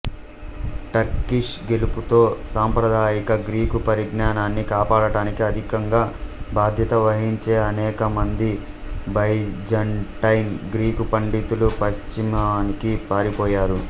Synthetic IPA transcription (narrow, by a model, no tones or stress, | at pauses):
ʈɐɾkiʂɡe̞luput̪o̞ːsaːmpɾɐd̪ʱaːjikɐɡɾiːkupɐɾiɡnaːnaːnːikaːpaːɽɐɽaːnikiɐd̪ʱikɐŋɡaːbʱaːd̪ʱjɐt̪ɐʋɐɦiɲt͡ʃeːɐnɛːkɐmɐnd̪i | bɐjd͡ʒɐɳʈɐjnɡɾiːkupɐɳɖit̪ulupɐʃt͡ʃimɐnikipaːɾipɔːjaːɾu